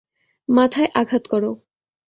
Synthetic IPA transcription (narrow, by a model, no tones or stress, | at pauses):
mat̪ʰaeʔaɡʱat̪kɔɾo